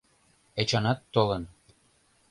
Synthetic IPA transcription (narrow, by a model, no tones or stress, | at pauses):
et͡ɕɑnɑt̪ːolə̆n